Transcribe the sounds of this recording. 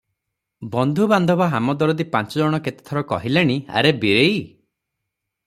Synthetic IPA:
bɔnd̪ʱuband̪ʱɔbaɦamɔd̪ɔɾɔd̪ipant͡ʃɔd͡ʒɔɽ̃ɔket̪e̥t̪ʰɔɾɔkɔ̰ɦileɽ̃ia̰ɾebiɾej

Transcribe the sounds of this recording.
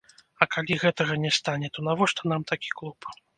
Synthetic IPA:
ɐkalʲiɣɛt̪ɐɣɐnʲɛst̪anʲɛt̪ɔnavɔʂt̪ɔn̪amt̪akʲi̥klˠup

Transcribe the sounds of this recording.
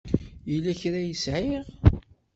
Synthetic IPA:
jəlːæçɾæjəsʕiʁ

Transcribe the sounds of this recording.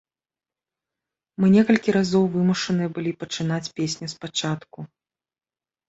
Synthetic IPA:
mɨnʲɛkɐlʲkʲiɾazɔwvɨmuʂɐnɨjɛbɨlʲipɐt͡ʂɨnat͡sʲpʲesʲnʲuspat͡ʂat̪ku

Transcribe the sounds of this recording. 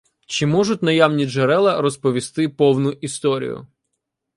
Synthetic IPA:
t͡ʃɪmɔʐʊtʲnɐjamnʲid͡ʒeɾɛlˠɐɾɔspɔʋʲist̪ɪpɔwnʊʔist̪ɔɾʲḭjʊ̰

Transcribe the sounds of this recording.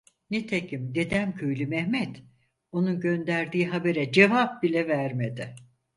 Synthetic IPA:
net̪ʰecʰimd̪e̞d̪æmcʰyjlʲymɛhmɛt̪ | o̞nunɟø̞nd̪æɾd̪iːɦabe̞ɾɛd͡ʒe̞vap̚bilʲɛvæɾmed̪ɪ

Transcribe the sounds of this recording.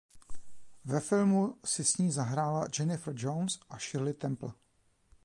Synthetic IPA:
vɛfɪlmusɪsɲiːzaɦɾaːlad͡ʒɛnɪfɾd͡ʒownsʔaʃɪɾlɪt̪ɛmpl̩

